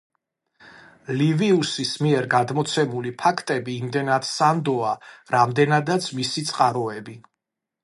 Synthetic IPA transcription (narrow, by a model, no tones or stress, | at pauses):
liviusismiɛɾɡad̪mɔt̪sʰɛmulipʰakʰt̪ʼɛbiːmd̪ɛnad̪sand̪ɔaɾamd̪ɛnad̪at̪sʰmisit̪sʼqʼaɾɔɛbi